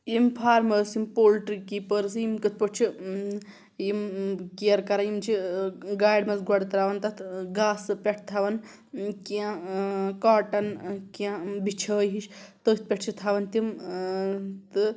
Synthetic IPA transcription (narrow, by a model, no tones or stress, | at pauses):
impʰaːɾmɐsimpoːlʈɾikiːpəɾsimkɨt̪̚ʰpət͡ʃʰi | imkiɐɾkɐɾajimt͡ʃʰiɡaːjɖmɐsɡɔɽt̪ɾaːʋɐnt̪ɐt̪ʰɡaːsɨpʲeʈ̚ʰt̪ʰaʋɐn | kiãkaːʈɐnkiãbit͡ʃʰɐːɦiʃt̪ət̪̚pʲeʈt͡ʃʰit̪ʰaʋɐnt̪im | t̪ɨ